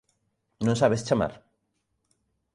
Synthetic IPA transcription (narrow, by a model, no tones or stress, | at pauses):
nõŋsaβest͡ʃama̰ɾ